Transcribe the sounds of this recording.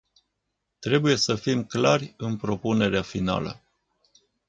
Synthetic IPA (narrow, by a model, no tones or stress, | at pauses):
t̪ɾe̞buje̞səfimklarʲɨnpɾo̞pune̞ɾeafina̰lə̰